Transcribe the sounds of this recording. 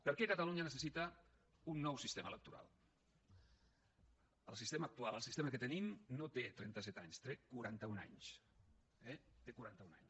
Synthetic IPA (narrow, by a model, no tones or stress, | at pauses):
pəɾkekət̪aluɲənəsəsit̪ə | unːɔwsist̪emə̰lək̚t̪uɾa̰lˠ | əlˠsist̪eməːk̚t̪ualˠəlˠsist̪eməkət̪ənimnot̪et̪ɾɛ̰nt̪əsɛt̪aɲst̪ɾekuɾant̪əuna̰ɲs | ɛt̪ekuɾant̪əuna̰ɲ